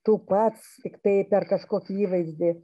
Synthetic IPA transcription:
t̪uːpɐt̪st̪ʲɪkt̪ɐɪpʲɛrkɐʃkoːkʲiiːʋɐɪzʲd̪ʲɪ

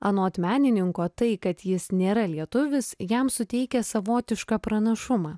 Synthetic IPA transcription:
ɐnoːɐt̪ʲmʲæːnʲɪnʲɪŋkoːt̪ɐɪkɐt̪jɪsnʲeːɾɐlʲiɛt̪ʊʋʲɪsjɛmsʊt̪ʲɛɪkʲɛsɐʋoːt̪ʲɪʃkɑpɾɐnɐʃʊmɑː

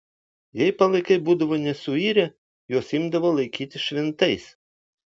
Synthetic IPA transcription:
jɛɪpɐlˠɐɪkɐɪbuːd̪ɐʋoːnʲɛsʊiːɾʲɛ | joːsɪmd̪ɐʋoːlˠɐɪkʲiːt̪ʲɪʃʲʋʲɛnt̪ɐɪs

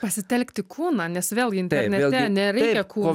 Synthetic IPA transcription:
pɐsʲɪt̪ʲɛlʲkt̪ʲɪkʰuːnɑnʲɛsʋʲeːlˠɡʲɪɪnt̪ʲɛɾnʲɛt̪ːʲɛnʲɛɾʲɛɪkʲɛkʰuː

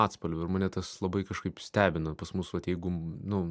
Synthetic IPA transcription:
ɑːt̪spɐlʲʊɪɾmɑːnʲɛt̪ɐslˠɐbɐɪkɐʃkɐɪpsʲt̪ʲæːbʲɪnɐpɐsmʊsʋɐt̪jɛɪɡʊnʊ

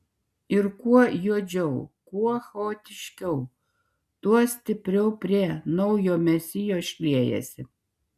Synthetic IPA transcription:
ɪɾkuɔjuɔd͡ʒʲɛʊkuɔxɛoːt̪ʲɪʃʲkʲɛʊ | t̪uɔsʲt̪ʲɪpʲɾʲɛʊpʲɾʲeɛnɐʊjoːmʲɛsʲɪjoːʃʲlʲiɛjɛ̰sʲɪ

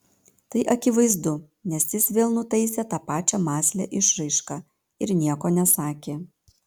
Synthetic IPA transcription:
t̪ɐɪʔɐkʲɪʋɐɪzd̪ʊ | nʲɛsjɪsʋʲeːlˠnʊt̪ɐɪsʲɛt̪ɑːpɑːt͡ʃʲɛmɑːsʲlʲɛ̰ʔɪʃɾɐɪʃkɑ | ɪɾnʲiɛkoːnʲɛsɑːkʲeː

